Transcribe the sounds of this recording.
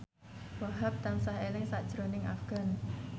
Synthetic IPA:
waɦap̚t̪ansaɦelɪŋsad̥ʒ̥ɾonɪŋʔa̰fɡ̥a̤n

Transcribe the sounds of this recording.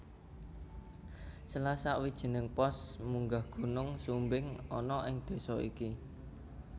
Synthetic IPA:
səlasaʔwid̥ʒ̥ə̤nəŋpɔsmuŋɡahɡ̥o̤nʊŋsumbɪŋɔnɔʔɪŋd̪̥e̤sɔḭki

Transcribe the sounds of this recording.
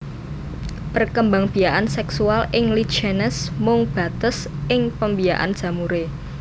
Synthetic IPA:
pərkəmbaŋb̥i̤jaʔansɛksualɪŋlit͡ʃɛnɛsmʊŋb̥a̤t̪əs | ʔɪŋpəmbiaʔa̰nd̥ʒ̥a̤muɾe

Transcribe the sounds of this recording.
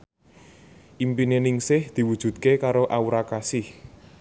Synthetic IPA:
ʔimpinenɪŋsɪhd̪̥i̤wud̥ʒ̥ṳt̪̚kekaɾoʔauɾakasɪh

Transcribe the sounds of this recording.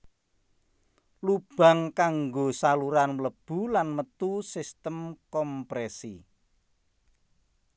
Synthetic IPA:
lub̥a̤ŋkaŋɡosaluɾanləb̥ṳlanmət̪usist̪əmkɔmpɾesi

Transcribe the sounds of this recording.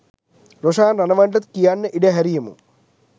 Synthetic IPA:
ɾoʂaːnrɐnɐʋaːɳɖɐt̪kijaːnːɐʔiɽeɦɐɾijɐmṵ

